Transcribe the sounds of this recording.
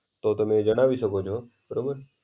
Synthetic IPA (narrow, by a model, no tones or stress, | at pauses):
t̪oːt̪omẽːd͡ʒənaːʋisəkoːt͡ʃʰoːbəɾoːmən